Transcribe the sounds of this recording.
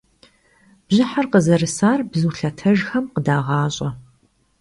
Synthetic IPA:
b̥ʑɪħarqəzɐɾɨsaːrbzuːɬɐtʰɐʒxɐmqədaːʁɑːɕʼɐ

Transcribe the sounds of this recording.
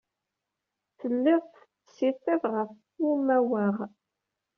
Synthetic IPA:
θəlːɪʁθ | əsiθiðʁəf | umæwæʁ

